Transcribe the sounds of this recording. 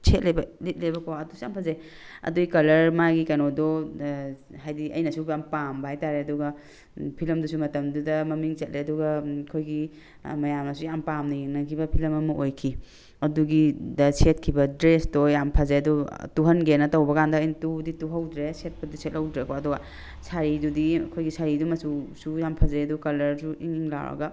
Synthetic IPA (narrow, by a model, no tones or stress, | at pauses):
sʰet̚lejbɐlit̚lebɐkɔɐdusujampʰazej | ɐ̰duikɐlɐɾmaɡikanɔdɔ | hajdiʔɐjnɐsubjampambahajtaɾeɐduɡɐ | pʰilɐmdusumɐtɐmdudɐmɐmiŋset̚leɐdɔɡakʰojɡi | mɐjamɐsujampamninɐkʰibɐpʰilɐmɐmɐʔojkʰi | ɐduɡidɐset̚kʰibɐdɾestojjampʰazeɐdɔtuɦɐnɡenːɐtɐwbɐkandɐːjntudituɦawdɾeset̚pɐdiset̚lɐwdɾekɔɐduɡa | sʰaɾidudikʰojɡisaɾidumɐsusujampʰazeɐdukɐlɐɾsuʔiŋŋla̰wɾɐ̰ɡɐ